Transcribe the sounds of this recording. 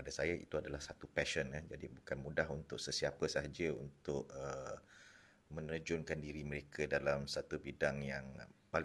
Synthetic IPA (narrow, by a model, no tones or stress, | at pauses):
padasajaʔḭt̪uadalahsat̪upɛʃənad͡ʒadibukanmudaɦunt̪ʊʔ̚səsiapəsəɦad͡ʒəṵnt̪ʊʔə | mə̃nrəd͡ʒʊnkandiɾimə̃ɾekʰədalamsat̪ubidaŋjaŋpal